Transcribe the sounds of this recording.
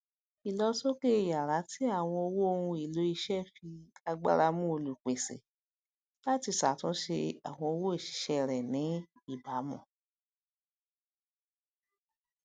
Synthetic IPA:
i˨lɔ˧so˦ke˦˨ja˨ɾa˨˦ti˦a˦˨w̃ɔ̃˧o˧wo˦o˧hũ˧i˨lo˨˦i˧ʃɛ˦fi˧a˧ɡ͡ba̰˧ɾa˧mũ˦o˧lu˨k͡pe˨sḛ˨ | la˦ti˧sa˨tũ˦ʃe˧a̰˨w̃ɔ̃˧o˧wo˦i˦˨ʃi̥˨˦ʃɛ˧ɾɛ˨nĩ˨˦i˦˨ba˨˦mɔ̰̃˦˨

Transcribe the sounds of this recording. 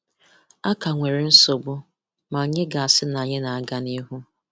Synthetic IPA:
a˦ka˨ŋʷe˨ɾɪ˨n̩˦so˨bʊ˦ | ma˨ɲɪ˦ɡa˨a˨sɪ˦na˨ɲɪ˦na˨a˨ɡa˦ni˦ɦu˦

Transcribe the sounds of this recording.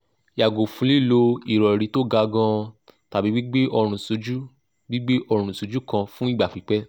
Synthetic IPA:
ja˨ɡo˨fũ˨˧˦li˦˨lo˧i˨ɾɔ˨ɾi˨˧˦to˦ɡa˧ɡã˧ta˨bi˨˦wi˦ɡ͡be˦ʔɔ˧ɾ̃ũ˨so˨˧d͡ʒu˦ | ɡ͡bi˦ɡ͡be˦ʔɔ˧ɾ̃ũ˨so˨˧˦d͡ʒu˦kã˧fũ˦i˦˨ɡ͡ba˨fi˨˦k͡pɛ˦

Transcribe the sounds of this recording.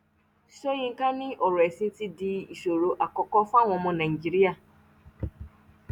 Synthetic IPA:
so˦jĩ˦ŋ̩˦ka˦nɪ̃˦ʔɔ˨ɾɔ˨e˨si˦n̩˦ti˦di˦i˨so˨ɾo˨ʔa˨kɔ˦kɔ˦fa˦˨ŋʷɔ̃˨mɔ̃˦na˨i˨d͡ʒi˦ɾi˦a˨

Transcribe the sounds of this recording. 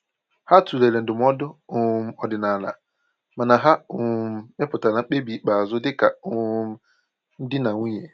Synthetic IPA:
ha˦tu˨le˨le˨n̩˨dɪ˨m˦ɔ˦dʊ˦ʊ˨m̩˦ɔ˨dɪ˨na˨la̰˨ | ma˨na˨ɦa˦ʊ˨m˦˨e˦pʊ˨ta˨na˨ŋ͡m̩˦k͡pe˦bi˨˦k͡pa˨a˨zʊ˦dɪ˦ka˨ʊ˨m̩˦ | n̩˦dɪ˦na˨ŋʷu˦ɲe˨

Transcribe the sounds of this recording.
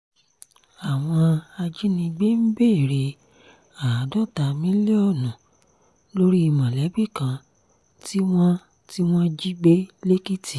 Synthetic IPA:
a˨w̃ɔ̃˧a˧d͡ʒi˦nĩ˧ɡ͡be˦m̩˦be˦˨ɾe˧ | a˨˦dɔ˦˨ta˨mĩ˦le˦ɔ˦˨nũ˨ | lo˦ɾi˦i˧mã˨lɛ˨˦bi˦˨kã˧ | ti˦w̃ɔ̃˦ | ti˦w̃ɔ̃˦d͡ʒi˦ɡ͡be˦le˦ki˦ti˨

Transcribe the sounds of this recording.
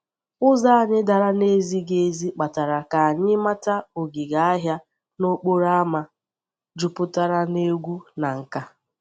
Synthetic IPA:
ʊ˦za˦a˨ɲɪ˦da˨ɾa˦ne˦zi˦ɡe˦zi˦k͡pa˨ta˨ɾa˨ka˨a˨ɲɪ˦ma˦ta˦o˨ɡi˨ɡa˨a˦ɦja˦ | no˦k͡po˦ɾa˦ma˦ | d͡ʒʊ˨pʊ˦ta˦ɾa˦ne˦ɡʷu˦na˨ŋ̩˨ka˦

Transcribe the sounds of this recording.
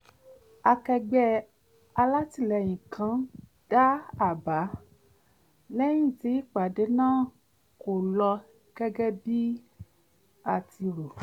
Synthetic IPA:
a˧kɛ˧ɡ͡bɛ˦ | a˧la˦ti˦˨lɛ˨j̃ĩ˨kʰã˨˦ | d̥a˦a˨ba˨˦ | lɛ˦j̃ĩ˦˨ti˨˦i˦˨k͡pa˨de˨˦nãː˦˨ | ko˨lɔ˧ | ɡ̥ɛ˦ɡɛ˦bi˦ | a˨ti˧ɾo˨

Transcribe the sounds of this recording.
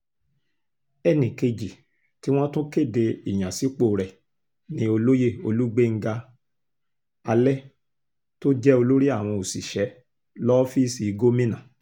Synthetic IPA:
ɛ˦˨nĩ˨ke˧d͡ʒi˨ | ti˨˦w̃ɔ̃˦tõ˦ke˦˨de˧i˨j̃ã˨si˨˦k͡po˨ɾɛ˨ | nĩ˦o˧lo˦je˦˨o˧lu˦ɡ͡be˦ŋ̩˦ɡa˧ | a˧lɛ˦ | to˦d͡ʒɛ˦o˧lo˦ɾi˦a˦˨w̃ɔ̃˧o˨si˨ʃɛ˨˦ | lɔ˦fi˦si˨˧ɡo˦mĩ˦nã˨

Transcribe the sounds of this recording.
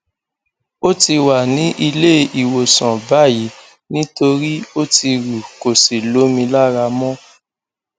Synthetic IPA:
o˦ti˧wa˨nĩ˨˦ʔi˧le˦i˨wo˨sɔ̃˨ba˦˨ji˨˦ | nĩ˦to˧ɾi˦o˦ti˧ɾu˨ko˨si˨lo˨˦mĩ˧la˦ɾa˧mɔ̃˦

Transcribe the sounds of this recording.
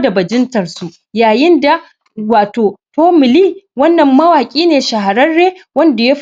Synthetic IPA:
da˨bɐ˨d͡ʒɪ˦ntɐ˨rsu˨ʔ | jaː˨jɪ˦nda˨ | waː˨toː˨toː˦mɪ˨liː˦wɐ˦nːɐ˨mːɐ˦waː˨kʲʼiː˦neː˨ʃa˨ɦa˨ɽɐ˦nɽeː˦wɐ˦nda˨je˦ɸ

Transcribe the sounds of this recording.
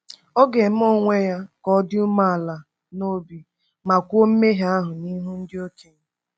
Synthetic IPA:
ɔ˦ɡe˨m̩˦o˦ŋʷe˦ja˦kɔ˦dɪ˦u˦ma˦a˨la˨ | no˦bi˨ | ma˨kʷu˦o˦m̩˦me˦ɦa˦ɦʊ˨ni˦ɦu˦n̩˦dɪ˦o˦t͡ʃi˨ŋ˦

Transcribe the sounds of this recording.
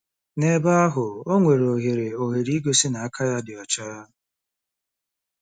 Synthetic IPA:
ne˨ba˦a˦ɦʊ˨o˦ŋʷe˨ɾo˨ɦe˨ɾe˨o˨ɦe˨ɾi˦ɡo˨sɪ˦na˨a˦kʰa˦ja˦dɪ˨ɔ˨t͡ʃa˦ɾa˦

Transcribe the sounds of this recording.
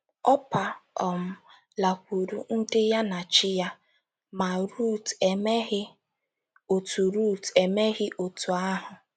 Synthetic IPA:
ɔ˦pa˨ɔ˨m̩˦ | la˨kʷu˨ɾu˨n̩˦dɪ˦ja˦na˨t͡ʃɪ˦ja˦ | ma˨ɾu˦˨te˨me˦ɣɪ˦ | o˨tu˨ɾu˦˨te˨me˦ɣɪ˦ʔo˨tu˨a˦ɦʊ˨

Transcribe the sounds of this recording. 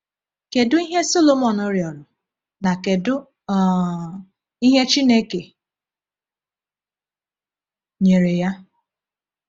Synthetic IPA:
ke˨dʊ˦i˦ɦe˦so˦lo˨mɔ˨nʊ˦ɾjɔ˨ɾʊ˨ | na˨ke˨dʊ˦ | i˦ɦe˦t͡ʃi˦ne˦ke˨ | ɲe˨ɾe˨ja˦

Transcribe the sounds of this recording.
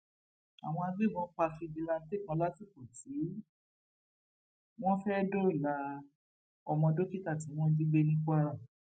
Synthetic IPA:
a̰˨w̃ɔ̃˧a˧bi˦˨mɔ̃˦k͡pa˧fi˧bi˨˧la˧n̩˦te˦˨kã˧˦la˦ti˦˨ko˨ti˨˦ | w̃ɔ̃˦fɛ˦do˦i˦˨la˧ | ɔ˧mɔ̃˧do˦ki˦ta˦˨ti˨˦w̃ɔ̃˦di˦ɡ͡be˦nĩ˦ka˦ɾa˦˨

